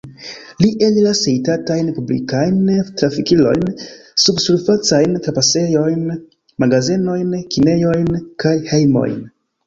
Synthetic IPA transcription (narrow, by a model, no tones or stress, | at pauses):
liʔelilasejtatajnpublḭkajntɾafikilo̞̰jnsubsuɾfat͡sajntɾapase̞jo̞jn | maɡazeno̞jnkine̞jo̞jnkajhe̞jmo̞̰jn